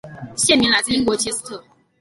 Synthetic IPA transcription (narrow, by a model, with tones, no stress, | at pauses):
ɕjɛ˥˨mi˧˥ŋla˨˩t͡sɨ˥i˥ŋkwɔ˧˥t͡ɕʰjɛ˥sɨ̥˥t̪ʰɤ˥˩